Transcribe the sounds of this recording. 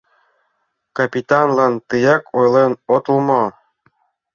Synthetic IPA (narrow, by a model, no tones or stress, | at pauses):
kapʲit̪ɑnlɑnt̪ɯjɑkojlenot̪ulmɑ